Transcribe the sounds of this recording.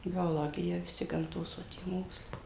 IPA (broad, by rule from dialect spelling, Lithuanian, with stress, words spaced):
bʲoːˈlˠoːɡʲɪjɛ ʋʲɪˈsʲɪ ɡɐmˈtoːs ʋɐ ˈtʲiɛ ˈmoːkslˠɐɪ